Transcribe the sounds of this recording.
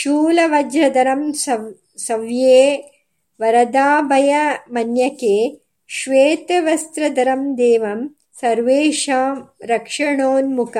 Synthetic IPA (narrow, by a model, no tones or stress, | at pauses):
ʃuːlɐʋɐd͡ʒɾɐd̪ɐɾɐm | sɐʋjeː | ʋɐɾɐd̪aːbʱɐjɐmɐnjɐkeː | ʃʋeːt̪ɐʋɐst̪ɾɐd̪ɐɾɐmd̪eːʋɐm | sɐɾʋeːʃaːmɾɐkʂɐɳoːnmukɐ